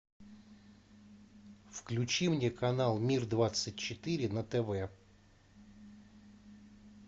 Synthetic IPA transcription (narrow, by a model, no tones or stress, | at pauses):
fklʲʊt͡ɕimnʲɛkɐnalˠmʲird̪vat̪sət̚ʲt͡ʃɪt̪ɪɾʲɪnɐt̪ɛvɛ